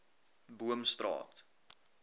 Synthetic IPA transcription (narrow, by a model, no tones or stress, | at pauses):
buəmstrɑ̰ːt